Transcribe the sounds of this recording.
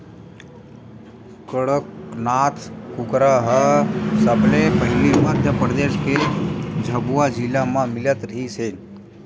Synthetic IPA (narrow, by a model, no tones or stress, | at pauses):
kəɽəknaːt̪ʰkʊkɾaɦəsəblepəɦɪliməd̪ʱjəpɾəd̪eːʃked͡ʒʱəbuad͡ʒɪlamãmɪlət̪ɾəɦiseːn